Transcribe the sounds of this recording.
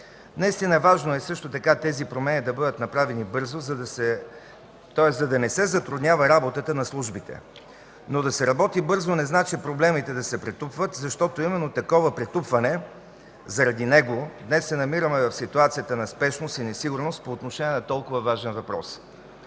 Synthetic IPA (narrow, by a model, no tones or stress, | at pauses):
nɐist̪inəvaʒnoɛsɤʃt̪ot̪ɐkat̪ɛzipɾomɛnid̪ɐbɤd̪ət̪nɐpɾavɛnibɤɾzozɐd̪sɛ | t̪ɔɛszɐd̪ɐnɛsɛzɐt̪ɾud̪nʲjavɐɾabot̪ət̪ənɐslˠuʒbit̪ɛ̰ | nod̪ɐsɛɾɐbɔt̪ibɤɾzonɛznat͡ʃipɾoblɛmit̪ɛd̪ɐsɛpɾɛt̪upvət̪zɐʃt̪ɔt̪oimɛnːot̪ɐkɔvəpɾɛt̪upvɐnɛ | zɐɾɐd̪inɛɡod̪nɛsːɛnɐmiɾəmɛvɐfsit̪uat̪sijət̪ənɐspɛʃnost̪inɛsiɡʊɾnost̪̚poːt̪noʃɛniɛnɐt̪ɔlˠkʊvəvaʒɛnvɐpɾɔ̰s